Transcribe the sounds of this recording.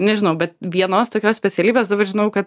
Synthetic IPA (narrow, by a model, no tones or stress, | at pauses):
nʲɛʒʲɪnɐʊbʲɛt̪ʋʲiɛnoːst̪oːkʲoːssʲpʲɛt͡s̪ʲɛlʲiːbʲeːsd̪ɐbɐrʒʲɪnɐʊkɐt̪